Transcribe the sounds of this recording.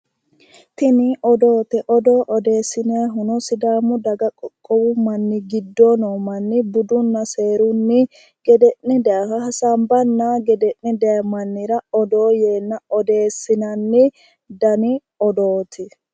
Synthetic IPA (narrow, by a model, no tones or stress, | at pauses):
t̪ɪnɪʔɔd̪o̞ːt̪ɛʔɔd̪oːʔɔd̪e̞ːsːɪnɪɐɦʊnɔsɪd̪aːmʊd̪ɐɡɐkʼɔkʼːɔwʊmɐnːɪɡɪd̪ːɔnɔːmɐnːɪbʊd̪ʊnːɐse̞ːɾʊnːɪ | ɡ̥ɛd̪ɛʔnɪd̪ɛɐhɐhɐsɐmbɐnːɐɡɛd̪ɛʔnɪd̪ɛjɐmɐnːɪɾɐɔd̪oːje̞ːnːɐɔd̪e̞ːsːɪnɐnːɪ | d̪ɐnɪ | ɔd̪oːt̪ʰɪ